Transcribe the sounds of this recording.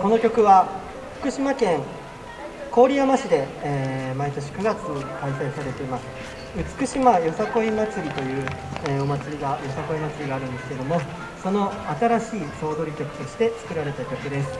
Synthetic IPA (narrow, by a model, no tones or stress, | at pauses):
ko̞no̞kʲo̞kɯ̟βa | ɸɯ̟̥kɯ̟ɕimakẽ̞ŋ | ko̞ːɾʲiamaɕid̪e̞ːmait̪o̞ɕ̬i̥kɯ̟ɡat͡sɨkaisaisaɾe̞t̪e̞imasɨ̥ | ɯ̟t͡sɨ̥kɯ̟ɕimajo̞sako̞imat͡sɨɾʲit̪o̞jɯ̟ːeo̞mat͡sɨɾʲiɡajo̞sako̞imat͡sɨɾʲiɡaːɾɯ̟nd̪e̞sɨ̥ked̪o̞mo̞ | so̞no̞at̪aɾaɕiːso̞ːd̪o̞ɾʲikʲo̞kɯ̟t̪o̞ɕi̥t̪e̞t͡sɨ̥kɯ̟ɾaɾe̞t̪akʲo̞kɯ̟d̪e̞sɨ̥